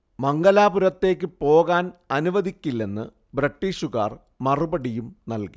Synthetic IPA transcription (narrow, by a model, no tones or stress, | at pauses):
mɐŋɡɐlaːbuɾɐt̪ːe̞ːk̬ʲːɨpo̞ːɣaːnɐnuʋɐðikʲːilːe̞nːɨ | brɐʈːiːʂuɣa̰ːr | mɐrubɐɽijumnɐlki